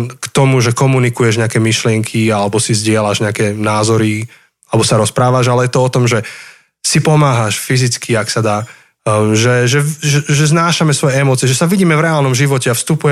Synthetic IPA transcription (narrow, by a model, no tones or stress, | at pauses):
kt̪ɔmuʒɛkɔmunikujɛʒɲɛakɛːmiʃlɪɛŋkʰialɛbɔsizɟɪɛlaʒɲɛakɛnaːzɔɾi | alɛbɔsaɾɔspɾaːʋaʒalɛjɛt̪ɔɔt̪ɔmʒɛ | sipɔmaːɦaʃfizit͡skʰiaksad̪aː | ʒɛʒɛʒɛʒɛznaːʃamɛsʋɔjɛɛmɔːt͡siɛʒɛsaʋiɟiːmɛvɾɛaːlnɔmʒiʋɔcɛafst̪upujɛ